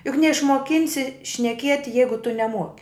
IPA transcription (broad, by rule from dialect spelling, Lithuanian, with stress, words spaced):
jʊk nʲɛɪʃmuɔˈkʲɪnʲsʲɪ ʃʲnʲɛˈkʲiɛtʲɪ ˈjɛɪɡʊ tʊ nʲɛˈmuɔkʲɪ